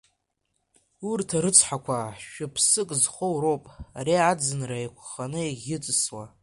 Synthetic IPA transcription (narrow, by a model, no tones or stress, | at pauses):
urtʰaɾɨt͡sʷʰħakʷʰaʃᶣʊpʰsɨkʼzχowropʼaɾiad͡zɨnraekʷʰχanɨeɡʲɪt͡sʼɨswa